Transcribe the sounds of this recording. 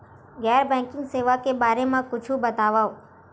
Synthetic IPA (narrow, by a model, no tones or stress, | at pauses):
ɡɛɾbɛ̃ŋkɪ̃ŋɡseːʋakebaːɾemãkʊt͡ʃʰũbət̪aʋao